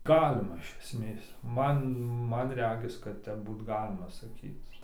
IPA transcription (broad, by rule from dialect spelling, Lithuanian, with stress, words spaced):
ˈɡɑːlʲɪmɐ ɪʃ ɛsʲˈmʲeːs ˈmɐn ˈmɐn ˈrʲæːɡʲɪs kɐt ˈtʲɛp ˈbuːt ˈɡɑːlʲɪmɐ sɐˈkʲiːt͡s